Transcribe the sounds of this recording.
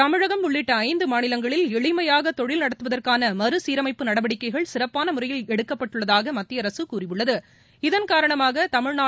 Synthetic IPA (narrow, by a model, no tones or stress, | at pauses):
t̪ɐmɪɻɐɣɐmʊɭːɪʈːɐɐɪnd̪ɯmaːnɪlɐŋɡɐɭɪlɛɭɪmɐjaːɣɐt̪ɔɻɪlnɐɽɐt̪ːɯʋɐðɐrkaːnɐmɐɾɯsiːɾɐmɐɪpːɯnɐɽɐʋɐɽɪkːɐɪɣɐɭsɪrɐpːaːnɐmʊrɐjɪlɛɽɯkːɐpːɐʈːɯɭːɐðaːɣɐmɐt̪ːɪjɐɾɐsɯkuːrɪʋɯɭːɐðɯ | ɪðɐnkaːɾɐɳɐmaːɣɐt̪ɐmɪɻnaː